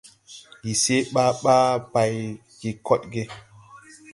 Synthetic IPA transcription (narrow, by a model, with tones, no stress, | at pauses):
ji˨se˦ɓaː˦ɓaː˦ba˨j | ki˨kɔ˦tɡe˦